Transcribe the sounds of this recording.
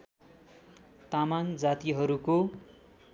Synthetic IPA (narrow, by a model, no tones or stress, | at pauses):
t̪amand͡zat̪iɦʌɾuko